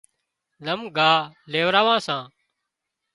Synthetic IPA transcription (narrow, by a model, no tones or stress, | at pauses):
ləmɡʱaːleːʋɾaːʋãːsãː